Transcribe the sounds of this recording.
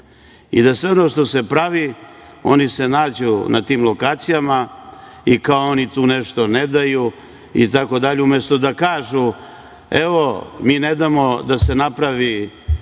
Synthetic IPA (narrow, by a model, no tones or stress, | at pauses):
ḭd̪asʋe̞o̞no̞ʂt̪o̞se̞pɾaʋi | o̞̰nise̞naːd͡ʑunat̪iːmlo̞kaːt̪sijama | ikaoo̞nit̪uːneʂt̪o̞ned̪aju | ḭt̪ako̞d̪aʎiumjest̪o̞d̪akaːʒu | eʋo̞miːned̪amo̞d̪ase̞napɾaʋi